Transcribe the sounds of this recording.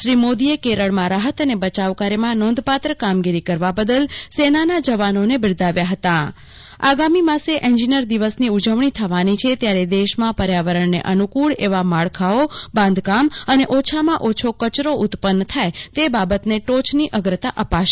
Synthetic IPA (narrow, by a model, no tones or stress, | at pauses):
ʃɾimod̪iekeɾəɭmãɾaɦət̪ənebət͡ʃaʋkaɾemãnõnd̪pat̪ɾəkamɡiɾikəɾʋabəd̪əlsenanad͡ʒəʋanonebɪɭd̪aʋjaɦət̪a | a̰ɡamimãseʔɛ̃nd͡ʒinəɾd̪iʋəsniud͡ʒəʋɳ̃it̪ʰəʋanit͡ʃʰet̪jaɾed̪eʃmãpəɾjaʋəɾəɳnḛʔənukuɭeʋamaɭkʰaobãnd̪ʱkaməneʔot͡ʃʰamãʔot͡ʃʰokət͡ʃɾoʔʊt̪pənːt̪ʰajt̪ebabət̪neʈot͡ʃʰniʔəɡɾət̪aʔəpaʃ